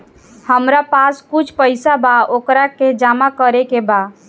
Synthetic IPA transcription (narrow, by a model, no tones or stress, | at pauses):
həmɾapaskut͡ʃʰpəɪsabaokɾaked͡ʒamakəɾekeba